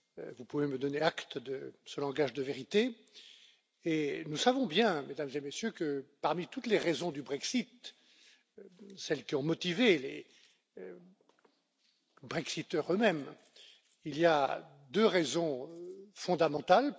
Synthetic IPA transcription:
vupuveməd̪ɔneakt̪d̪əsəlɑ̃ɡaʒd̪əveʁit̪e | enusavɔ̃bjɛ̃med̪amzemesjøkəpaʁmit̪ut̪leʁezɔ̃d̪ybʁɛksit̪ | sɛlkʲiɔ̃mɔt̪ivelḛ | bʁɛksit̪œʁømɛm | ilia | d̪øʁɛzɔ̃fɔ̃d̪amɑ̃t̪al

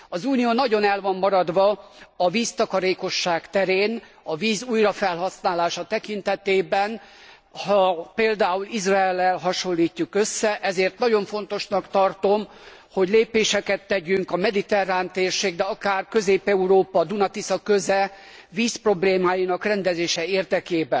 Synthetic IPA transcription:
ɒzuːnijoːnɒɟo̞nɛlvɒmːɒɾɒd̪ʋɒɒviːst̪ɒkɒɾeːko̞ʃːaːkt̪ɛɾeːn | ɒviːzuːjrɒfɛlɦɒsnaːlaːʃɒt̪ɛkint̪ɛt̪eːbɛn | hɒpeːld̪aːulizraɛlːɛlɦɒʃo̞lːiːcːukøsːɛʔɛzeːrt̪nɒɟo̞ɱfo̞nt̪o̞ʃnɒkt̪ɒrt̪o̞m | ho̞ɟleːpeːʃɛkɛt̪ːɛɟyŋkɒmɛd̪it̪ɛraːnt̪eːrʃeːɡ̚d̪ɛɒkaːrkø̞zeːpɛuɾoːpɒd̪unɒt̪isɒkøzɛ | viːspro̞bleːmaːjinɒkrɛnd̪ɛzeːʃɛeːrd̪ɛkeːbɛn

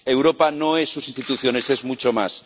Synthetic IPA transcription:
ewɾo̞pano̞e̞sːusinst̪it̪uθjo̞ne̞se̞zmut͡ʃoma̰s

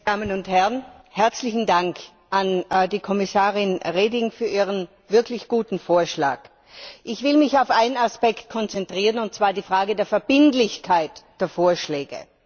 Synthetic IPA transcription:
d̥aːmənʊnthɛʁn | hɛɐt͡slɪçn̩daŋk | ʔandiːkʰɔmɪsaːʁɪnʁeːdɪŋfyːɐʔiːʁən | vɪɐkʰlɪçɡ̥uːtn̩foːɐʃla̰ːk | ʔɪçv̥ɪlmɪçaʊfʔaɪnənaspɛkt̚kʰɔnt͡sɛntʁ̥iːʁənʊnt̚t͡sv̥aːɐdiːfʁ̥aːɡədeːɐfɛɐbɪndlɪçkʰaɪtd̥eːɐfoːɐʃlɛːɡə̰

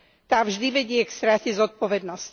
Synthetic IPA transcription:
t̪aːvʒd̪iʋɛɟɪɛkst̪ɾacɛzɔt̪̚pɔʋɛd̪nɔsc

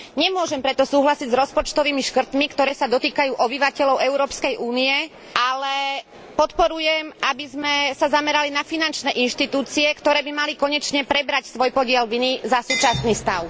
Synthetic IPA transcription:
ɲɛmʊɔʒɛmpɾɛt̪ɔsuːɦlasiɟzɾɔspɔt͡ʃt̪ɔʋiːmiʃkr̩t̪mikt̪ɔɾɛːsad̪ɔt̪iːkajuːʔɔbiʋacɛʎɔʊɛʊɾɔːpskɛjʔuːniɛ | ʔalɛ | pɔt̪pɔɾujɛmʔabizmɛsazamɛɾalinafinant͡ʃnɛːʔinʃt̪it̪uːt͡siɛkt̪ɔɾɛːbimalikɔɲɛt͡ʃɲɛpɾɛbɾacsʋɔjpɔɟɪɛlʋinizasuːt͡ʃasniːst̪aʊ

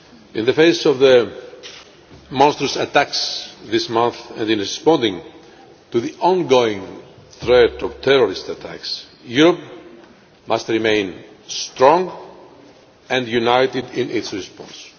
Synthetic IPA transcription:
ĩnðəfejsovðə | mɔ̃nst̪ɾəsat̪æksðismʌ̃nθɛ̃ndĩnɹispɔ̃nd̪ĩŋ | t̪uðiʔɔ̃nɡoĩŋθɾɛt̪ɔvt̪ʰɛɾoɾist̪at̪ʰæ̰ks | juɾop̚ | mast̪ɹimẽɪ̃n | st̪ɾɔ̃ŋɡ | ɛ̃nd̪junajt̪id̪ĩnitsɹispɔ̰̃ns

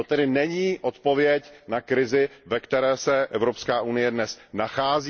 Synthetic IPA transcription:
ot̪ɛdɪnɛɲiːʔo̞t̪po̞vjɛcnakɾɪzɪvɛkt̪ɛɾɛːsɛʔɛvɾopskaːʔunɪjɛdnɛsnaxaːzi

